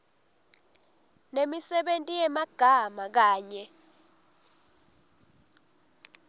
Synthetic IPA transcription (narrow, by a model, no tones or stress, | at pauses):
nemisɛɓentʼijɛmaɡ̥ʱamak̬aːɲɛ